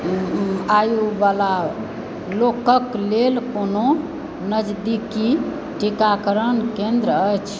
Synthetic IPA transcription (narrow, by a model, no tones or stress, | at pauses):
ajuʋala | lokəklelkono | nəd͡ʒd̪iki | ʈikakəɾənkẽnd̪ɾəəjt͡ʃʰ